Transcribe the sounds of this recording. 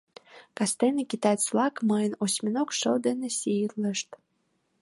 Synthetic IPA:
kɑst̪enekit̪ɑt͡slɑkməjənosʲmʲinokʃəld̪enesʲilə̆ʃt̪

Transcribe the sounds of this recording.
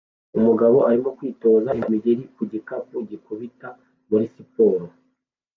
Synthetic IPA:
umuɡaβo̞ʔaɾimo̞kwiːto̞ːzaimiɟeɾikuɟikapuɟikuβita | muɾisipoːɾo

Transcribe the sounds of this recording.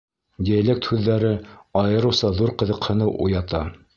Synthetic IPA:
dʲelʲek̚t̪hʉðːæɾɘɑjɤ̆ɾɤ̆wsɑðuɾqɤ̆ðɤ̆qhɤ̆nɤʔṵjɑt̪ɑ

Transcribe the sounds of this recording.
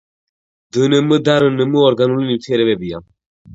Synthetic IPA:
d̪ɨnəməd̪aɾənəməɔɾɡanuliniwt̪ʰɛɾɛβɛbija̰m

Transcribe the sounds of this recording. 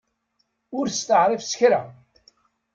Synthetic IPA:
ʊɾst̪əʕɾˤifsə̥çɾa

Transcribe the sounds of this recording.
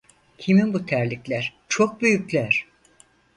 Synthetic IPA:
cʰiminbut̪ʰæɾlʲicʲlʲæɾ̥t͡ʃʰok̚byjycʲlʲæɾ̥

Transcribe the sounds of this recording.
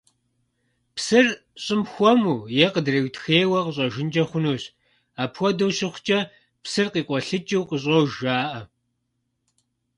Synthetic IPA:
psɨr | ɕʼɪmxʷɔmuːjɛqədrɐwtxeːwɐqəɕ̬ʼɐʒɪnd͡ʒʼɐχʷʊnuːɕ | aːpʰxʷɔdɐwɕɪχʷt͡ʃʼɐ | psɨrqiːqʷʼɔɬɨt͡ʃʼiwqəɕ̬ʼɐwʒaːʔɐ

